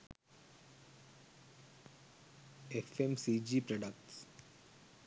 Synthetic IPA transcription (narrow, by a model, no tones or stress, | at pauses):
efẽmsid͡ʒipɾɔɖək̚ʈs